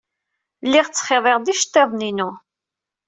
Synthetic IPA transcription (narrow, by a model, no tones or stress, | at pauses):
lːɪʁt͡sːχeðˤeʁd̪iʃt̪ːeðˤninu